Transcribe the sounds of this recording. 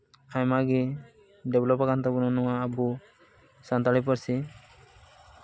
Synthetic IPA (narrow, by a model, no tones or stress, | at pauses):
ajmaɡi | ɖɛblɔpakant̪abunɔnɔwaːbu | sant̪aɽip̬ɔɾsi